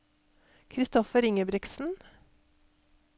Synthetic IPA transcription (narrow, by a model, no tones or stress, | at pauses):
kʰɾɪst̪ɔfəɾɪŋəbɾɪksn̩